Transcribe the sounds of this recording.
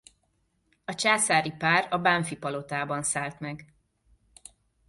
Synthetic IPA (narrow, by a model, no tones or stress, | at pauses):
ɒt͡ʃaːsaːɾipaːrɒbaɱfipɒlo̞t̪aːbɒnsaːlt̪mɛɡ